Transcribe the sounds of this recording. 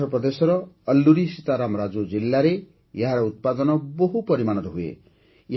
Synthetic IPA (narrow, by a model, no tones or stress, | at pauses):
ɔpɾɔd̪esɔɾɔːlːuɾisit̪aɾamɾad͡ʒod͡ʒilːaɾe | jeɦaɾɔut̪̚pad̪ɔnɔboɦupɔɾimañɔt̪ɔɦuḛ